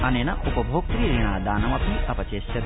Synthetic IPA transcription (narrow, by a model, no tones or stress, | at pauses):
ɐnenɐʔupɐbʱoːk̚t̪ɾiɾiɳ̃aːd̪aːnɐmɐt̪nit̪ɐpɐt͡ʃeːsjɐ